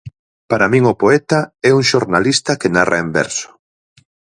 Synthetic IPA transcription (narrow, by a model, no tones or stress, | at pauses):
paɾamĩŋʊpoɛt̪aɛuŋʃoɾnalist̪akenarʔaembɛ̰ɾsʊ̥